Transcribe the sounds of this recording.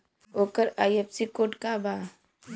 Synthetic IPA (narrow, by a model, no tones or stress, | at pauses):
oːkəɾaːjepsikoːʈkabaː